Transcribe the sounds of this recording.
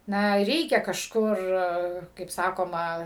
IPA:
ˈnɐ ˈrʲɛɪkʲɛ kɐʃˈkʊr kɐɪp ˈsɑːkoːmɐ

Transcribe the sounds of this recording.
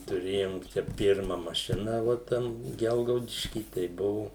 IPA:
tʊˈrʲeːjoːm ˈt͡ʃʲɛ ˈpʲɪrmɐ mɐˈʃʲɪnɐ ʋoː ˈtʲɛn ˈɡʲɛlˠɡɐʊdʲɪʃʲkʲiː tɐɪ ˈbʊʋʊ

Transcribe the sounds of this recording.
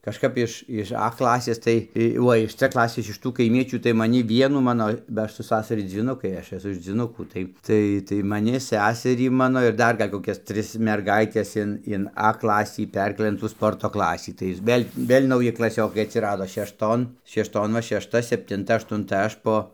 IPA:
kɐʃˈkɐp ɪʃ ɪʃ ɐ ˈklˠɑːsʲeːs ˈtɐɪ tɐɪ ˈuɔ ɪʃ t͡s ˈklˠɑːsʲeːs ɪʃ ˈtuː kɐɪˈmʲiɛt͡ʃʲuː tɐɪ mɐˈnʲɪ ˈʋʲiɛnuː ˈmɑːnoː bɐ ˈɐʃ sʊ ˈsɑːsɐrʲɪ d͡zʲiːˈnʊkɐɪ ˈɐʃ ɛˈsʊ ɪʃ d͡zʲʋʲiːˈnʊkuː tɐɪ ˈtɐɪ tɐɪ mɐˈnʲɪ ˈsʲæːsʲɛrʲiː ˈmɑːnoː ɪr ˈdɐr ˈɡɐlʲ koːˈkʲɛs ˈtʲrʲɪs mʲɛrˈɡɐɪtʲɛs ɪn ɪn ɐ ˈklˠɑːsʲiː ˈpʲɛrʲkʲeːlˠɘ ɪn tuː ˈspoːrtoː ˈklˠɑːsʲiː tɐɪ ɪr ˈʋʲeːlʲ ˈʋʲeːlʲ nɐʊˈjɪ klˠɐˈsʲoːkɐɪ ɐtʲsʲɪˈrɑːdoː ʃʲɛʃˈtoːn ʃʲɛʃˈtoːn ʋɐ ʃʲɛʃˈtɐ sʲɛpʲtʲɪnˈtɐ ɐʃtʊnˈtɐ ˈɐʃ poː

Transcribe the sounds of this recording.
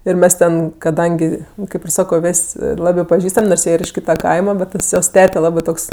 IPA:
ɪr ˈmʲɛs tʲɛn kɐˈdɐŋʲɡʲɪ ˈkɐɪp ɪr ˈsɑːkoː ˈʋʲeːsʲ ˈlˠɑːbɜ pɐˈʒʲiːstɐmʲ noːrs ˈjiɛ ɪr ɪʃ ˈkʲiːtɐ ˈkɐɪmɐ ˈbʲɛt ˈtɐs joːs ˈtʲæːtʲɛ ˈlˠɑːbɜ ˈtoːks

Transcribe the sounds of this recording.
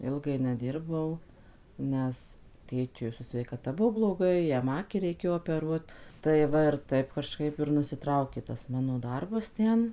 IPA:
ˈɪlˠɡɐɪ nʲɛˈdʲɪrbɐʊ ˈnʲɛs ˈtʲeːt͡ʃʲʊɪ sʊ sʲʋʲɛɪkɐˈtɐ ˈbuɔ blˠoːˈɡɐɪ ˈjɛm ˈɑːkʲiː rʲɛɪˈkʲeːjoː oːpʲɛˈruɔt tɐɪ ˈʋɐ ɪr ˈtɐɪp kɐˈʃkɐɪp ɪr nʊsʲɪˈtrɐʊkʲeː tɐs ˈmɑːnoː ˈdɐrbɐs ˈtʲɛn

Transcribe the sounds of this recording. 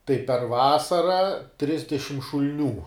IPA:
tɐɪ pʲɛr ˈʋɑːsɐrɐ ˈtʲrʲɪzʲdʲɛʃʲɪm ʃʊlʲˈnʲuː

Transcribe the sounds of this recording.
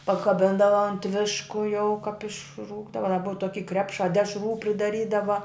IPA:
pɐkɐˈbʲɪndɐʋɐ ɐnt ˈʋʲɪʃkʊ jɛʊ kɐp ɪʃˈruːɡdɐʋɐ dɐ ˈbʊʋɐ ˈtoːkʲiː ˈkrʲæːpʃɑː ˈdʲæːʃruː pʲrʲɪdɐˈrʲiːdɐʋɐ

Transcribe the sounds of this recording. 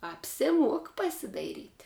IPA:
ɐpʲsʲɪˈmuɔk pɐsʲɪdɐɪˈrʲiːtʲ

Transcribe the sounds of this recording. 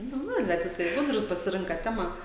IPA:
ˈnʊ ˈnʊ ˈbʲɛt ˈjɪsɐɪ ˈɡʊdrʊs pɐsʲɪˈrʲɪŋkɐ ˈtʲæːmɑː

